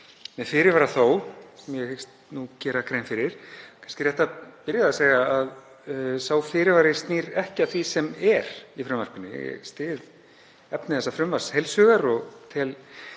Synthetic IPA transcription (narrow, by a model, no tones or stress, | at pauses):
mɛðfɪɾɪɾvaːɾaθowsɛmjɛhɪkst̪nucɛːɾakʰɾeːjnfɪɾɪɾ̥kʰḁnskcɪrjɛht̪apɪɾjɪaðaseːɣaað | saːwfɪɾɪɾvaːɾɪst̪niːɾɛhcɪaθvisɛmɛɾifɾʏmvar̥pɪnːʏjɛ̰ɛ̰st̪ɪːð | ɛpnɪθɛsːafɾʏmvar̥shejlsœːɣaɾɔɣt̪ʰɪl